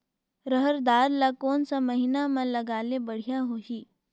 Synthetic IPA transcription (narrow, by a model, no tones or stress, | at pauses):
ɾəɦəɾd̪aːɾlakoːnsamɐɦɪnamãlɐɡaːlebɐɽ̤ijaɦoːɦiː